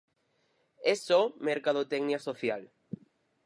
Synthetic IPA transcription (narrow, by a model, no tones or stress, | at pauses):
esomeɾkað̞ot̪ɛɡniasoθjal